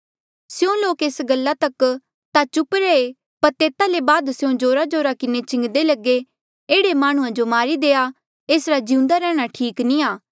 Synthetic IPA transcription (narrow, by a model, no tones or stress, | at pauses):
sjõloːkeːsɡəlːat̪ɐk | t̪at͡ʃʊpɾɛːe | pɐɾt̪eːt̪alebaːd̪sjõd͡ʒoːɾad͡ʒoːɾakɪnet͡ʃɪ̃ŋɡd̪elɐɡe | eːɽemaːɽ̃ʊ̃ãd͡ʒomaːɾid̪eːa | eːsɾad͡ʒiũnd̪aɾɛːɽ̃aʈʰiːknĩaː